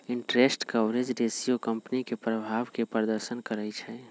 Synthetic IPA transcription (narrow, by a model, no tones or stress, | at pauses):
iɳʈɾesʈkəbɾed͡ʒɖesijokəmpnikepɾəbʱaʋkepɾəɾd̪əɾʃənkəɾɛt͡ʃʰɛ